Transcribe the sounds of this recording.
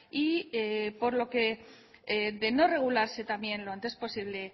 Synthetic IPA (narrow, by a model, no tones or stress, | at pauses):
iepo̞ɾlo̞ke̞ | eðe̞no̞re̞ɣ̞ulaɾse̞t̪amje̞nloant̪espo̞siβ̞le̞